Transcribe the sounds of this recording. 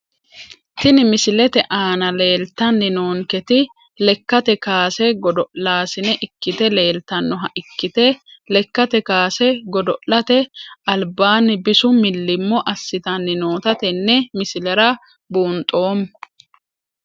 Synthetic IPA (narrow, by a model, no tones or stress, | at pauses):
t̪ɪnɪmɪsɪlɛt̪ɛʔaːnɐle̞ːlt̪ɐnːɪnoːŋkɛt̪ɪ | lɛkːɐt̪ɛkaːsɛɡɔd̪ɔʔlaːsɪnɛʔɪkːɪt̪ɛle̞ːlt̪ɐnːɔɦɐʔɪkːɪt̪ɛlɛkːɐt̪ɛkaːsɛɡɔd̪ɔʔlɐt̪ɛɐlbaːnɪbɪsʊmɪlːɪmːɔʔɐsːɪt̪ɐnːɪno̞ːt̪ɐt̪ɛnːɛmɪsɪlɛɾɐ | buːnt̪ʼo̞ːm